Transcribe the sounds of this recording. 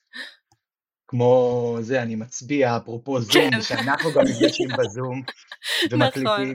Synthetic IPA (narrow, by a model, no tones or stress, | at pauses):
kmo̞ze̞animat͡sbiaːpʁopo̞zumʃeanaχnuɡamːifɡaʃimbezum | vemaklit̪im